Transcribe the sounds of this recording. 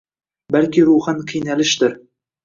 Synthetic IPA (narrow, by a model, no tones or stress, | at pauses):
balkʲɪɾuχanqʰijnalɪʃd̪ɪɾ